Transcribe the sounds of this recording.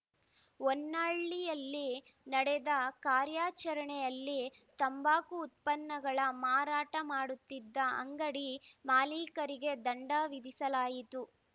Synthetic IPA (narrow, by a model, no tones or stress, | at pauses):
onːaːɭːijɐlːi | nɐɽɛd̪ɐkaːɾjaːt͡ʃɐɾɐɳɛjɐlːit̪ɐmbaːkuːt̪̚pɐnːɐɡɐɭɐmaːɾaːʈɐmaːɽut̪ːid̪ːɐɐ̰ŋɡɐɽimaːliːkɐɾiɡe̞d̪ɐɳɖaːʋid̪isɐlaːjit̪u